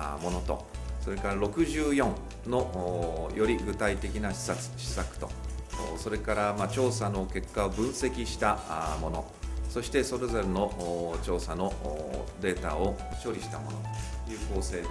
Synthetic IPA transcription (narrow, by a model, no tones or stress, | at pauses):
mo̞no̞t̪o̞̰so̞ɾe̞kaɾaɾo̞kɯ̟ʑɨːjõ̞ɴ | no̞jo̞ɾʲiɡɯ̟t̪ait̪e̞kʲinaɕi̥sat͡sɨ̥ɕi̥sakɯ̟̥t̪o̞̰so̞ɾe̞kaɾamat͡ɕo̞ːsano̞ke̞kːaobɯ̟̃ɰ̃se̞kʲiɕi̥t̪amo̞no̞̰ | so̞ɕi̥t̪e̞so̞ɾe̞zo̞ɾe̞no̞ʔt͡ɕo̞ːsano̞d̪e̞ːt̪ao̞ɕo̞ɾʲiɕi̥t̪amo̞̰no̞̰t̪ojɯ̟ːko̞ːse̞ː